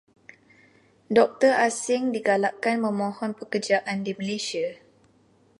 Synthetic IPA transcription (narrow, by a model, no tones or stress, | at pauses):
dɔk̚t̪ərasɪŋdiɡalaʔkanməmɔ̃hɔnpəkərd͡ʒaʔandiməlesia